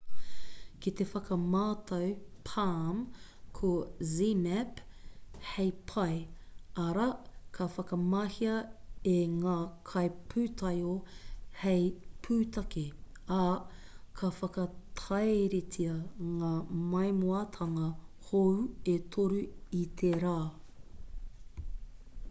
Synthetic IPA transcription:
kit̪efɐkɐmaːt̪ʰɐwpʰam | kʰozimɛp | hejpʰɐjɐɾɐkʰɐfɐkɐmɐhiɐeŋaːkʰɐjpʰʉːt̪ʰɐjohejpʰʉːt̪ɐke | ɐ | kʰɐfɐkɐt̪ʰɐjɾetʰiɐŋaːmɐjmoɐt̪ʰɐŋɐ | howet̪ʰoɾuit̪ʰeɾaː

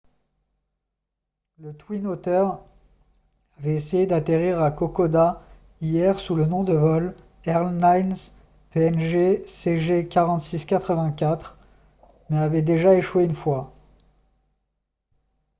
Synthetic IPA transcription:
lət̪winot̪œʁ | avɛesejed̪at̪eʁiʁakɔkɔd̪a | ijɛʁsulənɔ̃d̪əvɔl | ɛʁlnajnz | peɛnʒeseʒekʲaʁɑ̃t̪siskʲat̪χəvɛ̃kʲat̪χ | mɛavɛd̪eʒaeʃweynfwa

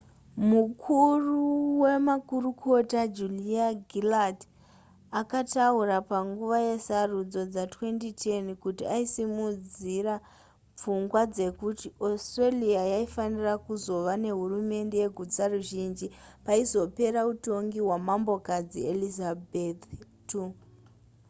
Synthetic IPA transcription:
mukʰuruwe̞makurukʰo̞tad͡ʒuliaɡʱilad | akataurapaŋɡuʋaje̞sarud͡zo̞d͡zatwe̞ntitʰenkutiaisimud͡zira | p͡fuŋɡwad͡ze̞kutiostreliajaifanirakuzo̞ʋane̞ɦurume̞nde̞je̞ɡʱud͡zaruʒind͡ʒipaizo̞pe̞ɾauto̞ŋɡiɦwamambo̞kad͡zḭelizabettu

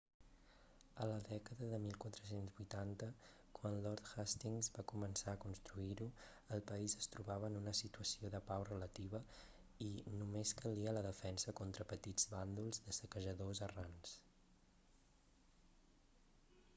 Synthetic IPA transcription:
ələðɛkəðəðəmilˠkwat̪ɾəs̬enzβujt̪ant̪ə | kwanlɔɾt̪hast̪iŋzβakumənsaəkunst̪ɾuiɾu | əlˠpəizəst̪ɾuβaβəːnunəsit̪uəsioðəpawrələt̪iβə | inumeskəliələðəfɛnsəkont̪ɾəpət̪id͡zβand̪ulˠzðəsəkəʒəðozərans

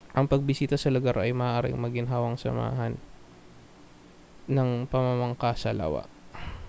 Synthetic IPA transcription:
ʔɐŋpɐɡ̚bɪsiːt̪ɐsɐlʊɡaɾʔɐjmɐʔʔaːɾɪ̰ŋmɐɡɪnɦaːwɐŋsɐ̰ma̰ːɦɐn | ɐŋpɐmamɐŋkasɐla̰wa̰ʔ

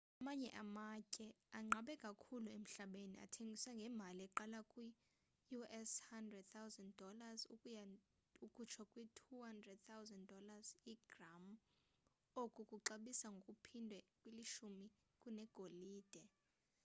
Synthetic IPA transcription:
amaɲɛʔamacʼɛaŋ͡ǁʱaɓɛkʼakʰuluem̩ɬaɓenia̰tʰeŋɡʱiswaŋɡʱɛmb̤ʱaliɛǃalakʼwi | juɛshandrɛd̚t̪awzɛnddʱɔlazu | ukʼut͡ʃʰakʼwitʰuhandrɛd̚t̪ʰawzɛnddɔlaziɡ̥ram | okʼukʼuǃaɓisaŋɡʱokʼupʰindʱwɛkʼwiliʃumi | kʼunɛɡ̥ʱoliːd̥ʱɛ

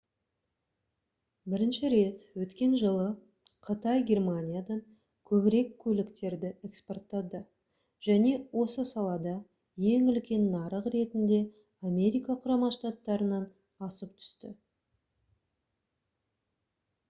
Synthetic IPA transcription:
bɪɾɪnʃɪɾe̞t̪wɵt̪kʲe̞nʒəlˠə | qʰət̪ɑjɡʲe̞rmanʲijad̪ɑɴ | kʲʰɵbɪɾe̞kʲʰːɵlɪkt̪e̞ɾd̪ɪekspo̞rt̪ːɑd̪ə | ʒ̥æne̞wʔo̞səsɑlˠɑd̪ɑ | je̞ŋʏlkʲe̞nːɑɾəqre̞t̪ɪnd̪e̞ | amʲe̞ɾijkɑqʰʊɾɑmɑʃt̪at̪ːɑɾənɑn | ɑsəp̚t̪ʰʏ̥st̪ɪ

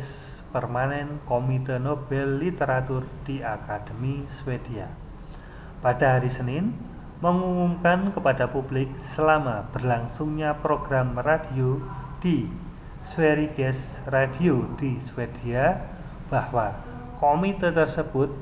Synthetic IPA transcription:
s | pərmanɛnkomit̪ənob̥ɛlːit̪əɾat̪ʊrd̥iakad̥əmiswed̥ia | pad̥aɦaɾisənɪn | məŋumumkankəpadapub̥lɪk̚səlamab̥ərlaŋsʊŋɲapɾoɡ̥ɾamradiod̥i | sweɾiɡɛs | rad̥iod̥iswed̥ia | b̥ahwa | komit̪ət̪ərsəb̥ʊt̪̚

